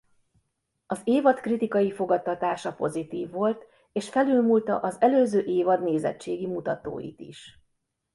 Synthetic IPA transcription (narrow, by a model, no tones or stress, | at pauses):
ɒzeːvɒt̪krit̪ikɒjifo̞ɡɒt̪ːɒt̪aːʃɒpo̞̰zit̪iːvːo̞lt̪ | eːʃfɛlylmult̪ɒ̰ʔɒzɛløːzøːʔeːvɒd̪neːzɛ̰t͡ʃːeːɡimut̪ɒt̪o̰ːjḭt̪ḭʃ